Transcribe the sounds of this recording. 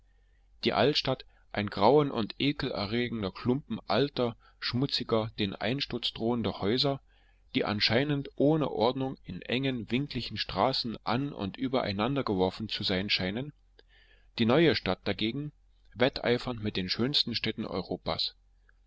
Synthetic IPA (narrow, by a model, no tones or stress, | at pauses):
d̥iːʔaltʃtat | ʔaɪnɡʁaʊənʔʊ̰ntʔeːkl̩ʔɛ̰ɐʁeːɡŋ̩dɐkʰl̥ʊmpm̩ʔaltɐ | ʃmʊt͡sɪɡɐd̥eːnʔa̰ɪnʃtʊɐt͡sd̥ʁoːəndɐhɔʏzɐ | d̥iːʔa̰nʃaɪnəntʔoːnə̰ʔɔɐdnʊŋɪnʔɛŋənvɪŋkʰlɪçn̩ʃtʁ̥aːsn̩ʔanʊ̰ntʔyːbɐʔa̰ɪnandɐɡəvɔɐfn̩t͡suzaɪnʃaɪnən | d̥iːnɔʏəʃtat̚d̥aɡeːɡŋ̩ | vɛtʰʔa̰ɪfɐntmɪt̚d̥eːnʃøːnstn̩ʃtɛːtn̩ʔɔ̰ʏʁoːpa̰ːs